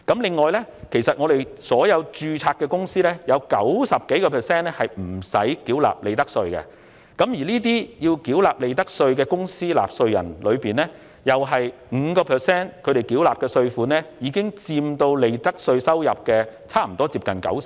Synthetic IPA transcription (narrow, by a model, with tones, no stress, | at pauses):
kɐ˨˥mlɪ˨˧ŋːɔː˨jlɛ˥kʰe˨˩jsɐ˨t̚ŋɔ˨˧d̪e˨jsɔː˨˥jɐ˨˧wt͡ʃyː˨˧t͡sʰaː˧t̚kɛː˧kʊ˥ŋsiː˥lɛː˥jɐ˨˧wkɐ˨˥wsɐ˨p̚ke˨˥jkɔː˧pʰɛː˨˩sɛː˥nɛ˥hɐ˨jm̩˨˩sɐ̰˨˥jki˨˥wla̰ː˨p̚le˨˧jt̪ɐ˥k̚sɵ˧ɥkɛ̰˧ | kɐ˨˥mjiː˨˩liː˥t̪̬iː˥jiː˧wkiː˨˥wlaː˨p̚le˨jt̪̬ɐ˥k̚sɵ˧ɥkɛː˧kʊ˥ŋsiː˥la̰ː˨p̚sɵ˧ɥjɐ̰˨˩nlɵ˨˧ɥpiː˨˩nɛː˥ | jɐ˨wɦɐ˨jŋ̩˨˧kɔː˧pʰɛː˨˩sɛː˥nkʰɵ˨˧ɥɾe˨jkiː˨˥wlaː˨p̚kɛː˧sɵ˧ɥfuː˨˥nɛ˥jiː˨˧kɪ˥ŋt͡siː˧mt̪o˧wle˨˧jt̪ɐ˥k̚sɵ˧ɥsɐ˥wjɐ˨p̚kɛː˧t͡sʰaː˥m̩˨˩t̪ɔː˥t͡siː˧p̚kɐ˨nkɐ̰˨˥ws